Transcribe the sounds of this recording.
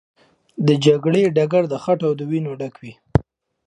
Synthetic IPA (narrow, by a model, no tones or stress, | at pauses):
d̪əd͡ʒaɡɽeɖaɡaɾd̪əxaʈawd̪əwinoɖakwi